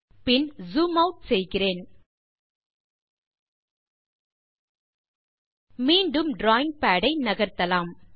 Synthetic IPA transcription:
pɪnzuːmɐʊʈ̚sɛjɣɪreːn | miːɳɖɯmɖɾaːɪ̃ŋɡ̚paːɽɐɪnɐɣɐɾt̪ɐlaːm

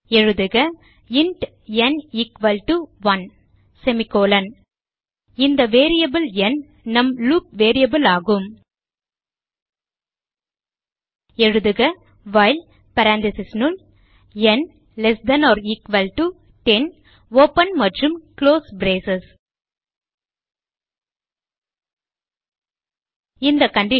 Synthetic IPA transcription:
ɛɻɯðɯɣɐ | ɪɳʈ | ɛnikʋɐlʈuʋɐn | sɛmɪkoːlɐn | ɪnd̪ɐʋeːɾijɐbɯlɛn | nɐmluːp̚ʋeːɾijɐbɯlaːɣɯm | ɛɻɯðɯɣɐ | ʋɐːɪl | pɐɾaːnd̪ɪsɪsnul | ɛn | lɛsd̪ɐnɔːɾɪkʋɐlʈu | ʈɛn | oːpɐnmɐʈrɯmkloːsbɾeːsɐs | ɪnd̪ɐkɐɳɖɪ

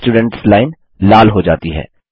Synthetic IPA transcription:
ʈuːɖə̃ɳʈslaːɪn | laːlɦod͡ʒaːt̪iɦɛ̰ː

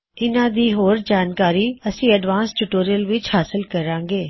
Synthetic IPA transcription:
ɪnãːd̪iːɦoːɾd͡ʒaːnkaːɾiːəsĩːəɖʋaːnsʈuʈoːɾijəlʋɪt͡ʃhaːsɪlkəɾãːŋɡeː

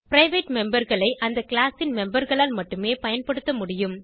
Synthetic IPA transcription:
pɪɾɐɪʋeːʈmɛmbɐɾɣɐɭɐɪʔɐnd̪ɐkɪɭaːsɪnmɛmbɐɾɣɐɭaːlmɐʈːɯmeːpɐjɐnpɐɽɯt̪ːɐmʊɽɪjɯm

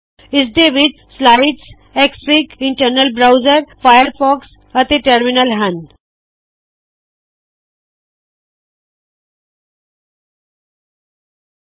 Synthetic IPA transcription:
isd̪eʋiʈ | slaɪʈs | ekspikiɳʈəɾnəlbɾawzəɾfajəɾfɔks | ət̪eʈəɾminəlɦãn

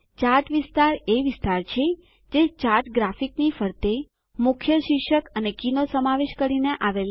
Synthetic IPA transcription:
t͡ʃaɾʈʋɪst̪aɾeʋɪst̪aɾt͡ʃʰe | d͡ʒet͡ʃaɾʈɡɾafiknifəɾt̪e | mʊkʰjəʃikʃəkənekinosəmaʋeʃkəɾineʔaʋel

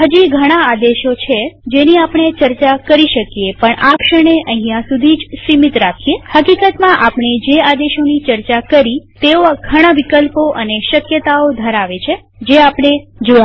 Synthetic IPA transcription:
ɦəd͡ʒiɡʱəɽ̃aad̪eʃot͡ʃʰed͡ʒeniapɳ̃et͡ʃəɾt͡ʃakəɾiʃəkjepəɳʔakʃəɽ̃eʔəɦĩjãsud̪ʱid͡ʒsimit̪ɾakʰijehəkikət̪mãʔapɳ̃ed͡ʒead̪eʃonit͡ʃəɾt͡ʃakəɾit̪eoaɡʱəɽ̃aʋikəlpoʔəneʃəkjət̪aod̪ʱəɾaʋet͡ʃʰe | d͡ʒeapɽ̃ed͡ʒoa

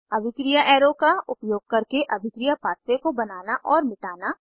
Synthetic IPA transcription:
ɐbʱɪkɾijaʔɛːɾõkaʊpjoːɡ̚kɐɾkeʔɐbʱɪkɾijapaːt̪ʰsekobɐnaːnaʔɔːɾmɪʈaːna

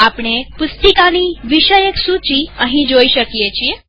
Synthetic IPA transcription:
apɳ̃epʊst̪ikaniʋiʃəjeksut͡ʃiəɦĩd͡ʒoiʃəkijet͡ʃʰie

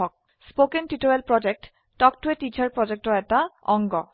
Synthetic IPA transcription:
ɔk̚ | spokenʈiʈoelpɾɔd͡ʑek̚ʈː | ɔkʈueʈit͡ɕaɾpɾɔd͡ʑek̚ʈoɛʈaɔ̰ŋɡɔ

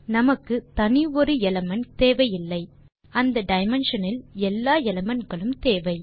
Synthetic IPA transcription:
nɐmɐkːɯt̪ɐnɪɔɾɯɛlɐmɐnt̪eːʋɐjɪlːɐɪ | ɐnd̪ɐɖɐɪmɛnʂɐnɪlɛlːaːɛlɐmɐnɡɐɭɯmt̪eːʋɐɪ

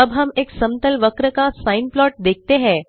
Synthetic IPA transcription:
əbɦɐmeːksɐmt̪əlʋəkɾəkasaːɪnplɔːʈ̚d̪eːk̚ʰt̪eɦɛ̃ː

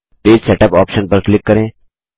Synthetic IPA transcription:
peːd͡ʒsɛːʈəpɔːpʃənpɐɾklɪkːɐɾẽː

